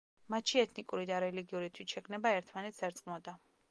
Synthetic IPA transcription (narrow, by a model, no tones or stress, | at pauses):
mat̪ʃiɛt̪ʰnikʼuɾid̪aɾɛliɡiuɾit̪ʰwisʃɛkʰnɛbaɛɾt̪ʰmanɛt̪saɾt̪sqʼmɔd̪a